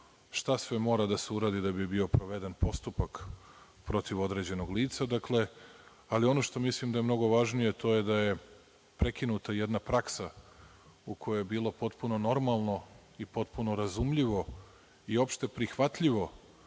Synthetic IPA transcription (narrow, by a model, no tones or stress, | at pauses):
ʃt̪asʋe̞mo̞ːɾad̪aseuɾad̪id̪abibio̞pɾo̞ʋed̪enpo̞st̪upak | pɾo̞t̪iʋo̞d̪ɾe̞d͡ʑe̞noɡliːt̪sad̪akle̞ | alio̞no̞ʃt̪o̞mislimd̪ajemno̞ɡo̞ʋaʒnije̞t̪o̞jed̪aje̞ | pɾe̞kinut̪ajed̪napɾaksa | uko̞jojebiːlopo̞t̪puno̞no̞ɾmalˠno̞ | ipo̞t̪puno̞ɾazumʎiʋo̞ | io̞pʃt̪e̞pɾixʋat̪ʎiʋo̞